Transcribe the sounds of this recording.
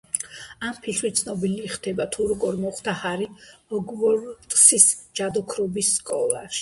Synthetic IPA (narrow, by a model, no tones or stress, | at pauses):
ampʰit̪ʰwit̪sʰnɔbiliχd̪ɛbat̪ʰuɾɔɡɔɾmɔχt̪ʰahaɾiɔɡvɔɾt̪ʼsisd͡ʒad̪ɔkʰɾɔbisːkʼɔ̰lˠa̰ʃi̥